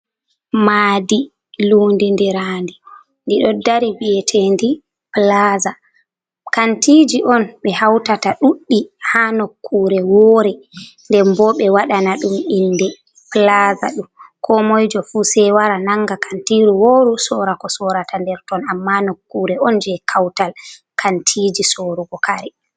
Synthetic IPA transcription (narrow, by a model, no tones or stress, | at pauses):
maːdi | luːndindiɾaːndi | ndiɗɔdaɾibijɛtʰendi | plaza | kantid͡ʒiʔɔnɓɛhawtataɗuɗːihanokʰːuːɾɛwɔːɾɛndɛɾmbɔɓɛwaɗanaɗumindɛ | plaza̰ɗumkʰɔmojd͡ʒɔfuːsɛwaɾanaŋːɡakʰantiɾuwoːɾusɔɾakɔsɔɾatandɛɾtɔnamːanokːuːɾɛɔnd͡ʒɛkʰawtalkʰantʰid͡ʒisoːɾuɡɔkaɾɛ